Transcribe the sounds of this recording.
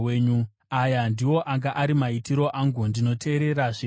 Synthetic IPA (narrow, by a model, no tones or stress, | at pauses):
eɲu | ajandiwo̞ʔaŋɡaʔaɾimaitiɾo̞ʔaŋɡundino̞tʰe̞ːɾe̞ɾaʐe